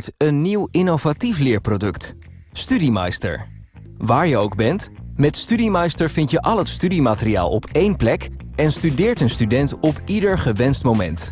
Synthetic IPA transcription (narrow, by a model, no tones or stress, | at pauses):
ɹtənːiwɪnovatiflɪːɹprodɵkt | stydima̰jstə̰ɹ | ʋaːɹjəowɡ̚bɛntmɛtstydimajstəɹvɪntjəʔɑlˠɦətstydimaːtəɾia̰ːlˠɔ̰pejnplɛkɛnstydɪːɹtənstydɛntɔpidəɹχəʋɛnstmowmɛ̰nt